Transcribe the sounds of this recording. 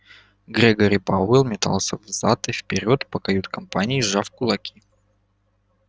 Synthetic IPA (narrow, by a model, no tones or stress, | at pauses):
ɡɾʲeɡoɾʲɪpaɪlˠmʲɪt̪a̰lˠsʲəvzat̪ɨfpʲɪɾʲo̞t̪pəkɐjut̪kɐmpanʲɪːʐafkʊlˠɐkʲʰi